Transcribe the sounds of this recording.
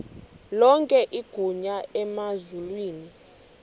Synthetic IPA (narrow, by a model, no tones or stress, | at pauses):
lɔŋkʼɛʔiɡ̥ʱuɲaɛmazulwiːni